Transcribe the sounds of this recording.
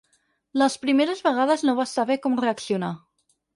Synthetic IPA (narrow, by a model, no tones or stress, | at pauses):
ləspɾimeɾəzβəɣ̞að̞əznoβasaβɛkɔmreəksiuna